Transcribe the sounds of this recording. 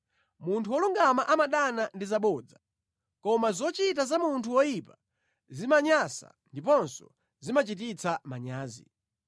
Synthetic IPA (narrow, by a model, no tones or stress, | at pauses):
muntʰuwɔluŋɡamaʔamaɗanandizaɓɔd͡za | kɔmazɔt͡ʃit̬azamuntʰuwɔjipa | zimaɲasa̰ndipɔnsɔ | zimat͡ʃit̬it͡sʰamaɲaːzḭ